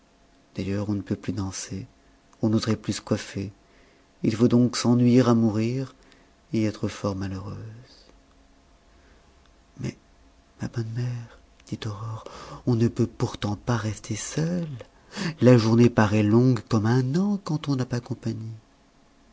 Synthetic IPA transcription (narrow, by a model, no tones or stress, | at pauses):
d̪̥ajœʁɔ̃nəpøplyd̪ɑ̃se | ɔ̃nozʁɛplysə̥kwafe | ilfod̪ɔ̃ksɑ̃nɥiʁamuʁiʁ | eɛt̪χəfɔʁmaləʁøːz̥ | mɛ | mabɔnmɛʁ | d̪̥it̪ɔʁɔʁɔ̃nəpøpuʁt̪ɑ̃paʁɛst̪ʰesœlː | aʒuʁnepaʁɛlɔ̃ɡkɔmɛ̃nɑ̃kɑ̃t̪ɔ̃napakɔ̃paɲi